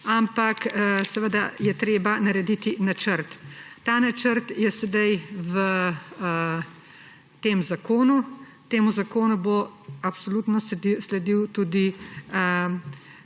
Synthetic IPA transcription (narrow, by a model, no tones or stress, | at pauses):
ampaksɛʋəd̪ajɛt̪ɾeːbanɐɾɛd̪it̪inat͡ʃəɾt̪ːaːnat͡ʃəɾt̪jɛsɛd̪ajʋə | t̪eːmzakoːnu | t̪eːmuzakoːnuboapsoluːt̪nɔsslɛd̪iwt̪ud̪iə